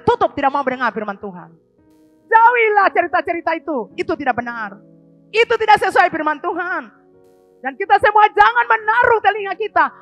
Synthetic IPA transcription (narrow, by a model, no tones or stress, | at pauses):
t̪ut̪ʊp̚t̪idak̚maubədəŋarfirmant̪uɦa̰n | d͡ʒawilaht͡ʃəɾit̪at͡ʃəɾit̪ait̪uit̪ut̪idak̚bənar | it̪ut̪idak̚səsuajfirmant̪uɦan | dankit̪asəmuad͡ʒaŋanmənaɾut̪əliŋakit̪a